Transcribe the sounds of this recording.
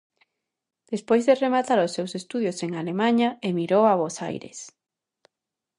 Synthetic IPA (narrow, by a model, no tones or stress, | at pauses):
d̪̥espojzðeremat̪aɾʊsːewsest̪uðjoseŋalemaɲaemiɾowaβosa̰jɾḛs